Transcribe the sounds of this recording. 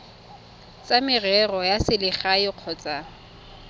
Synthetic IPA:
t͡sʼamɪrɛrɔjasɪlɪχaɪq͡χʰɔt͡sʼa

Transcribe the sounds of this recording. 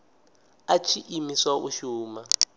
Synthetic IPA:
at͡ʃʰiʔimisaʔṵʃuːma

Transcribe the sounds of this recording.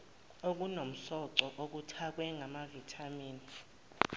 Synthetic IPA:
ok̬unom̩ɬɔǀɔʔok̬utʰak̬wɛŋʱamavitʰamiːni

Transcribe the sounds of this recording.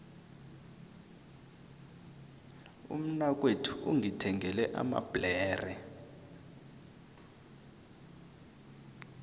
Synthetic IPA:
ṵm̩nak̬ʼwetʰuʔuŋitʰɛŋɛlɛʔa̰ma̰b̥lɛːrɛ

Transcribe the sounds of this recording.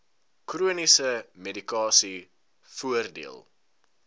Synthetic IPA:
kruənisəmedikɑːsi | fuərdḭə̰lˠ

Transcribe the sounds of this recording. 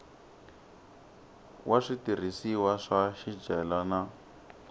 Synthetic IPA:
wʔaʂitir̤isiwaʂaʃid͡ʒɛlana

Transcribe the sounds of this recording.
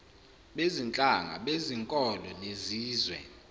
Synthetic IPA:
ɓezint͡ɬʼaŋa̰ɓeziŋkʼɔlɔneziːzwɛ̰

